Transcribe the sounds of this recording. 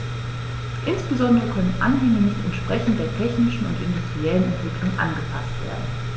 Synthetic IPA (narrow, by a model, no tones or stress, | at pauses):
ʔɪnsb̥əzɔndəʁəkʰœnənʔa̰nɦɛŋənɪçtɛ̰ntʃpʁ̥ɛçn̩t̚d̥eːɐtʰɛçnɪʃn̩ʊ̰ntʔɪndustʁ̥iɛlənɛntv̥ɪklʊŋʔa̰nɡəpʰastv̥ḛːɐdn̩